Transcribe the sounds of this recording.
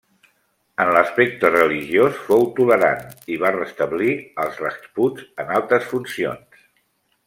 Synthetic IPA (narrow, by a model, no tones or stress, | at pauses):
ənləspɛk̚t̪ərəliʒiosfowt̪uləɾa̰niβarəst̪əβliəlˠzrəkspud͡zənalˠt̪ɾəsfunsio̰ns